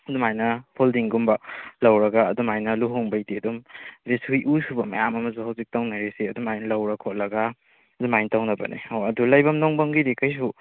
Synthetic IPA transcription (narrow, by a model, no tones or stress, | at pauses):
ɐdumajnɐpʰoldiŋɡumbɐlɐwɾɐɡaːdumajnɐluɦuŋbɐjdiɐdumbesuijʔusubɐmɐ̰jamɐmɐzuhawzik̚tawnaɾesiɐdumajnlɐwɾɐkʰot̚lɐɡa | zumajntawnɐbɐ̰nḭwɐdulɐjbɐmnoŋbɐŋɡidikajs̬u